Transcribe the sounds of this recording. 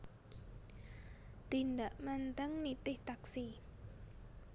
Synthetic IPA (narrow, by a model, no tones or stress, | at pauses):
t̪indaʔmant̪əŋnit̪ɪht̪aksi